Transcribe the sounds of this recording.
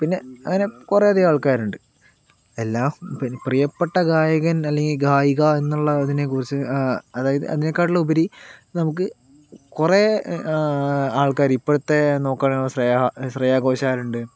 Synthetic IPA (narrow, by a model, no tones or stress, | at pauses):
pinːe̞ɐŋːɐne̞kureɐðiaːɭkaːɾuɳɖɨ | elːaːpiprijɐpːeʈːɐɡaːjɐɣɐnɐlːe̞ŋɡilɡaːjiɣɐe̞nːuɭːɐɐðine̞k̬ːurit͡ɕːɨɐðaːjɐðɨ̰ɐ̰ðine̞kːaːʈ̬ːilːɐubɐɾinɐmuk̬ːɨ | kureː | aːɭkaːɾipːoɽt̪ːe̞no̞ːkːaːɭeːsrɐjaɕrɐjaːɣo̞ːɕaːɾuɳɖɨ